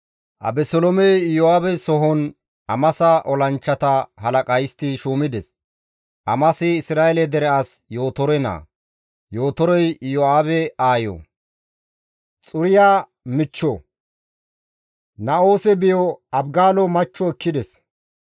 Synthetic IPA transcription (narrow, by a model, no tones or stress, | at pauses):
ʔɐ̰bɛsɔlɔmɛjɔaːbɛsɔɦɔn | ʔɐmɐsɐʔɔlɐnt͡ʃːɐt̪ɐhɐlɐkʼɐjɪst̪ɪʃuːmɪd̪ɛs | ʔɐmɐsɪɪsɾaːɛlɛd̪ɛɾɛasjoːt̪ɔɾɛna̰ː | jo̞ːt̪ɔɾɔjjɔaːbɛaːjɔ̰ | t͡sʼʊɾɪjaː | mɪt͡ʃːɔ | nɐo̞ːsɛbɪjɔɐbɡaːlɔmɐt͡ʃːɔɛkːɪd̪ɛs